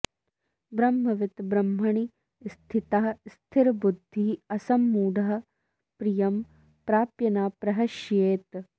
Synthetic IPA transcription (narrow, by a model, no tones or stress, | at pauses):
bɾɐmɦɐʋɪt̪bɾɐmːɐɳi | st̪ʰit̪aɦɐst̪ʰɪɾbud̪ʱːiɐsɐmːuːɖɐɦɐ̆ | pɾijɐm | pɾaːpjɐnaːpɾɐɦɐʃjeːt̪